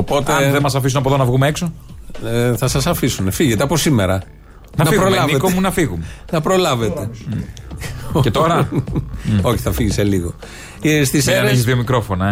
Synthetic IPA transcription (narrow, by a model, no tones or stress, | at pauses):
opo̞t̪eðemɐs̬ɐfis̬unɐpoðonɐvɣumeekso̞ | θɐsɐsɐfisunefiʝet̪eɐpo̞sime̞ɾɐ | nɐnɐfipɾolɐvniekomunɐfiɣumenɐpɾo̞lɐve̞t̪e̞ | ocet̪oɾɐ | o̞çi̥θɐfiʝise̞liɣo | st̪iseɐeçizðiomikɾo̞fo̞nɐ